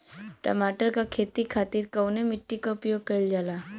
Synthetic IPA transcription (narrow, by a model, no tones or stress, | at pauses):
ʈɐ̰maːʈəɾkakʰeːt̪ikʰaːt̪iɾkɐwnemɪʈːikaʊpjoːɡ̚kɐɪld͡ʒaːlaː